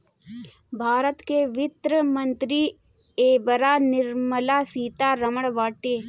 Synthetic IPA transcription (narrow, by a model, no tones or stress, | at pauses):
bʱaːɾət̪keʋɪt̪ɾəmə̃nt̪ɾi | eːbəɾaːnɪɾməlaːsiːt̪aɾɐməɽʋaːʈeː